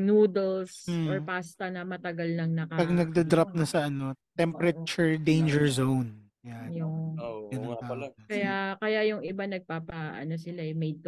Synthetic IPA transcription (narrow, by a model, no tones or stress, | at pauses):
nuːd̪ɛls̩ʔoɹpaːst̪ɐnɐmɐt̪ɐɡalnɐŋnɐkɐpɐɡnɐɡ̚d̪ɐd̪ɾap̚nɐsɐʔɐno̞t̪ɛmpɛɾɐt͡ʃʊɹd̪ejnd͡ʒɛɹzown | ɐjajoɡɐnɐŋt̪aʔkakɐjakɐjajʊŋɪbanɐɡ̚paːpɐʔɐ̰nosɪlaɛmɛjd̪̚